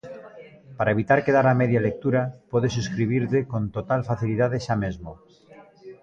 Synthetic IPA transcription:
paɾaeβit̪aɾkeðaɾameðjalek̚t̪uɾapoðesuskɾiβiɾt̪ekõnt̪ot̪alfaθiliðaðeʃamezmo

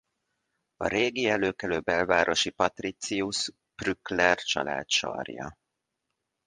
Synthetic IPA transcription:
ɒ̰ɾeːɡiɛløːkɛløːbɛlvaːɾʔo̞ʃipɒt̪rit̪sius | b̥ryklɛrt͡ʃɒ̰la̰ːt̪ʃɒ̰rjɒ̰

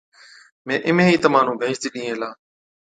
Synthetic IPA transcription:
mẽːʔɪmẽːiːt̪əmãːn̤ũːbʱeːt͡ʃt̪iːɗĩːẽːlaː

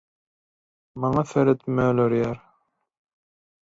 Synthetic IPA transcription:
mɑŋɑfeɾet̪møløɾjæɾ

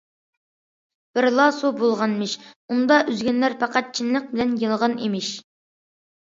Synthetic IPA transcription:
b̥ɪɾlˠɑsubolˠʁɑnmɪʃund̪ɑʔyzɡʲɛnlæɾpʰɑqɑt̪̚t͡ʃʰinləq̚bɪlɛnjɨlˠʁɑnḭmɪʃ

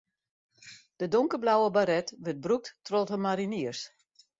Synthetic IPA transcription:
d̥ədoŋkəblawəbaɾɛtʋət̚bruk̚ttrɔthəmaɾiniərs

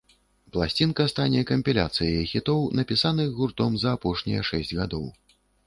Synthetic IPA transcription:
plˠasʲt͡sʲinkɐst̪anʲɛkɐmʲpʲilʲa̰t̪sɨjɐixʲit̪ɔwnɐpʲisanɨɣɣurt̪ɔmzɐːpɔʂnʲḭjɐʂɛsʲd͡zʲɣad̪ɔw

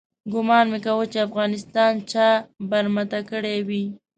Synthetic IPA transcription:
ɡʊmɑnmekawət͡ʃeafɣɑnɪst̪ɑnt͡ʃɑbaɾmat̪akəɽewi

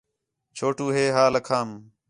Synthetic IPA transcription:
t͡ʃʰoːʈuːɦeːɦaːləkʰaːm

